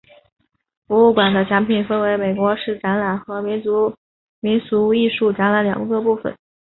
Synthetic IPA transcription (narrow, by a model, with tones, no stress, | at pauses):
fu˧˥u˥˩kwa˨˩nd̪ə˦t͡ɕʰa˧˥mpʰi˨˩nfə˥nwe˧˥ɪme˨˩ɪkwɔ˧˥ʂɻ̩˥˩ʈ͡ʂa˧˥nla˨˩nxɤ˧˥mi˧˥nt͡su˧˥ | mi˧˥nsu˧˥i˥˧ʂu˥˩ʈ͡ʂa˧˥nla˧˥nljɑ̰˨˩ŋkɤ˥˧pu˥˩fə̰˩˦n